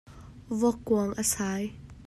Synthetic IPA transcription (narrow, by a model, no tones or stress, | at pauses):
vɔkːuəŋʔəsaːj